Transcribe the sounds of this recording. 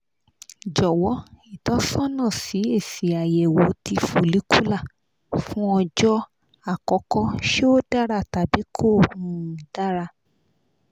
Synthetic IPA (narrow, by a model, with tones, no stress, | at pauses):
d͡ʒɔ˨wɔ˨˦i˦˨tɔ̃˨˦sɔ̃˦nã˦˨si˨˦e˦˨si˨a˨jɛ˨wo˨˦ti˧fo˨li˨˦ku˦la˦˨ | fũ˦ɔ˧d͡ʒɔ˦ | a˦˨kɔ˨˦kɔ˦ʃe˦o˦da˦ɾa˦˨ta˨bi˨˦kʰo˦˨hũ˦˧˦da˦ɾa˧